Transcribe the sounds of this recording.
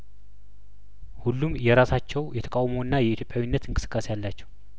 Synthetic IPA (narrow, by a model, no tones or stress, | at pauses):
hulːumjɛɾasat͡ʃːɛwjɛt̪ʰə̥kʼawmoɨnːajɛit̪ʰjo̞pʼjawinːət̪ɨŋkʼɨsɨ̥kʼːasejalːat͡ʃːɛw